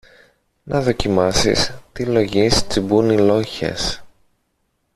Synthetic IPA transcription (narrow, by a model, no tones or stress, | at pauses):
nɐðo̞cimɐsḭst̪ilo̞ʝist͡sibunilo̞çḛs